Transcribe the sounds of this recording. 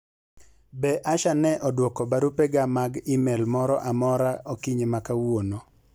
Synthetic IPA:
bɛʔaʃanɛʔɔdwɔkɔbaɾupɛɡamaɡimɛlmɔɾɔ̰ʔamɔɾaokiɲemakawono

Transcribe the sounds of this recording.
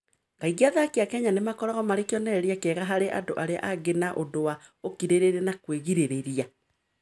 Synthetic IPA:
kaiɣiaðakeakɛɲanemakɔɾɔɣɔmaɾekiɔnɛɾiakɛɣaɦaɾeʔa̰doʔaɾea̰ʔaɡenaʔodowaokiɾeɾeɾenakweɣiɾeɾeɾia

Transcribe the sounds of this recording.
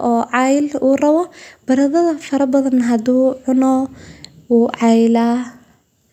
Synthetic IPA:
ʔɔːʕɑjluːrɐβɔb̥ɐɾɐðɐðɐfɐɾɐbɐðɐnɦɐd̪uːʕʊnɔ | uːʕɑjlaː

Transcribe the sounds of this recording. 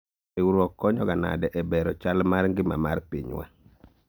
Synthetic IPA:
ɛwuɾɔkːɔɲɔɡana̰dɛʔɛbɛɾɔt͡ʃalmaɾŋɡɪma̰maɾpiɲwɛ̰

